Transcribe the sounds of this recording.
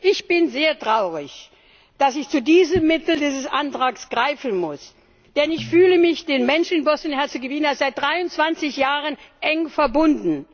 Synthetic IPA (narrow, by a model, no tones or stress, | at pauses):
ʔɪçb̥ɪnzeːɐtʁ̥aʊʁɪç | d̥asɪçt͡sudiːzəmːɪtl̩diːzəsʔantʁ̥aːksɡ̥ʁaɪfn̩mʊs | d̥ɛnɪçfyːləmɪçd̥eːnmɛnʃn̩ɪnbɔsnhɛɐt͡suɡəvɪnənasz̥aɪt̚d̥ʁaɪʊnt͡sv̥ant͡sɪçjaːʁənʔɛŋfɛɐbʊndn̩